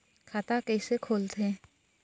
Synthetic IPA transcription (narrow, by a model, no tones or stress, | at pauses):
kʰaːt̪akɛɪsekʰoːlt̪ẽː